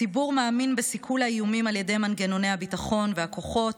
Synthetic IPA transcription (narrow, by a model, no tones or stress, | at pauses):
ibuʁmaːminbesikʰulaijumimalje̞de̞jmanɡe̞no̞nejhabitaχo̞nvehako̞χo̞t